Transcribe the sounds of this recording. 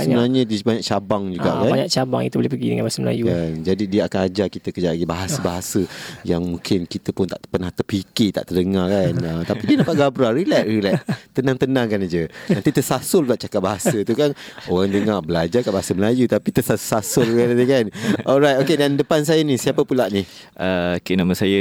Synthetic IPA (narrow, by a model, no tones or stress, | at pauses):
səbənaɲədiəbaɲak̚t͡ʃabaŋd͡ʒuɡa̰ʔkanaɲaʔt͡ʃabaŋḭt̪ubolehpəɡḭdə̰ŋãnbaasəməla̰jukand͡ʒadidiəakanad͡ʒakit̪əkəd͡ʒalaɡibaɦasəbaɦasəjaŋmũŋkʰɪnkit̪əpʊnt̪a̰ʔpənaht̪ərpikɪt̪a̰ʔt̪ərdəŋarkanət̪apidiənapaʔɡabɾaɾilɛʔɾilɛʔt̪ənãŋt̪ənãŋkanad͡ʒənãnt̪it̪əsasʊllaʔ̚t͡ʃakat̪̚baɦasət̪ukanoɣaŋdəŋarbəlad͡ʒakat̚baɦasəməlajut̪apit̪əsasasʊlkaadəkanʔɔlɾajt̪okedandəpans̬ajənisiapəpulaʔnih | ʔʔəkənaməsajə